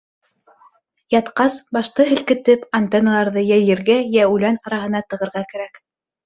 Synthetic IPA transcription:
jɑt̪qɑsbɑʃt̪ɤɦɘ̆lkɘ̆t̪ɘpɐnt̪enɑlˠɑɾðɤjæjɘ̆ɾɡæjæʉlænɑɾɑɦɤ̆nɑt̪ɤ̆ʁɤ̆ɾʁɑkæ̆ɾæk

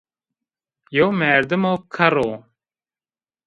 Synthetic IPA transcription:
jowmæːɾd̪ɨmoːkʰɐɾoː

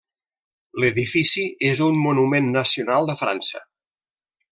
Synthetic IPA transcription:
ləðifisiezummunumenːəsiunalˠd̪əfɾa̰nsə̰

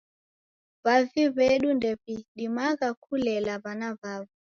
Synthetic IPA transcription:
βaviβɛɗundɛpiɗimaɣakʰulɛlaβanaβavi

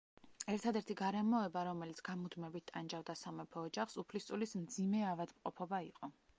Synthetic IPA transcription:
ɛɾt̪ʰad̪ɛɾt̪ʰiɡaɾɛmɔɛbaɾɔmɛlit̪sʰɡ̥amud̪mɛbit̪̚ʰt̪ʼand͡ʒavd̪asamɛpʰɔːd͡ʒaχsupʰlist̪ʼulismd̪zimɛavad̪mqʼɔpʰɔbaiqʼɔ

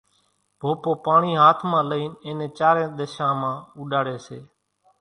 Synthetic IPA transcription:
b̥ʱoːpoːpaːɳiːɦaːt̪ʰmãːləiːneːnẽːt͡ʃaːɾẽːɗ̪əʃãːmãːʊɗaːɽeːseː

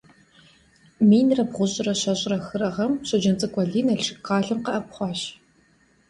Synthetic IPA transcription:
miːnrɐbʁʷʊʑʼɪrɐɕɐɕʼrɐxɨrɐʁɐmɕɐd͡ʒɐnt͡sʼɨkʷʼɐɮiːnɐɬʂɨkːaːɮɨmqɐʔɐp̚ʷχʷɑːɕ

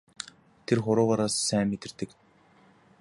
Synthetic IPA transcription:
t̪ʰerχʊɾʊːʁɔːɾaːsːæːmːet̪ɘ̆rt̪ɘ̆k

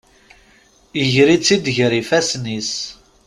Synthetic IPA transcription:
əʝɾit͡sːid̪ʝɾifæsnis

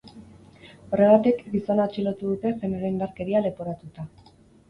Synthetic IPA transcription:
o̞re̞β̞at̪ikɡiso̞nat͡ʃilo̞t̪uðut̪e̞fe̞neɾeind̪aɾke̞ɾiale̞po̞ɾat̪ut̪a

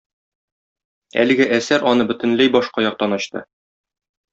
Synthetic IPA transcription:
æ̰lɘ̆ɡɘʔæsæɾʔɒnɤbɵ̆t̪ɘ̆nlæjbɒʃqɑjɒq̚t̪ɒnɒɕt̪ɤ̰

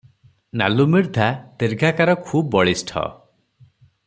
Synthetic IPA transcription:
na̰lumiɾd̪ʱat̪iɾɡʱakaɾɔkʰubːɔɭisʈʰɔ̰

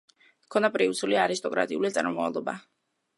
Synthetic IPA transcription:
kʰɔnapʼɾiusuliaɾist̪ʼɔkʼɾa̰t̪ʼiulit̪sʼa̰ɾmmavalˠɔba̰

